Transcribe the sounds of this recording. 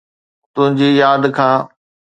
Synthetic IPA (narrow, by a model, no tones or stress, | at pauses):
t̪ʊ̃ɦɪ̃ɲd͡ʑijaːd̪kʰãː